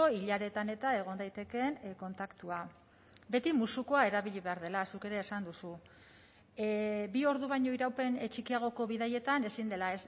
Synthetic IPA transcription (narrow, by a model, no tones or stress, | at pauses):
o̞iʎaɾe̞t̪ane̞t̪ae̞ɣ̞o̞nd̪ajt̪e̞ke̞nko̞nt̪akt̪ua | be̞t̪imusuko̞ae̞ɾaβiʎiβe̞aɾð̞e̞lasuke̞ɾe̞ːsand̪usu | bio̞ɾðuβajɲo̞iɾawpe̞nt͡ʃikiaɣ̞o̞ko̞β̞iðaje̞t̪ane̞sind̪e̞lae̞s